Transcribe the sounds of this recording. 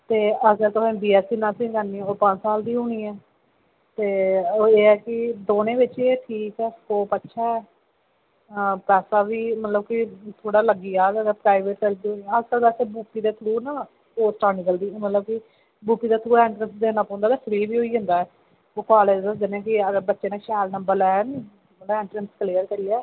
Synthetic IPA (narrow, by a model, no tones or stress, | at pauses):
t̪eːəɡəɾt̪ʊsẽːbiːɛːsiːnãːsĩːɡaːniːɛ̃ːoːpãnsaːld̪iːuːniːɛː | t̪eːeːɛːkɪd̪oːnẽːʋɪt͡ʃeʈʰiːkɛːskoːpətːʃʰaːɛː | pɛːsaːʋiːmət̪ləbkɪt̪ʰoːɽaːləɡiːaːd̪əɡəpɾaːɪʋeːʈkəɾd̪ioiəd͡ʒkəld̪əseːbuːpiːd̪eːt̪ʰɾuːnaː | poːsʈaːnikəld̪iːmət̪ləb̚kɪ | buːpiːd̪aːt̪ʰɾuːẽːɳʈɾənsd̪eːnaːpɔ̃ːnd̪aːt̪eːpʰɾiːʋiːɦoːiːɦʊ̃nd̪aːɛː | oːkaːleːd͡ʒəsd̪ɪnẽːkɪəɡəɾbətːʃeːnãːʃɛːlnəmbəɾɛːn | məẽːɳʈɾənskəliːəɾkəɾiːɛː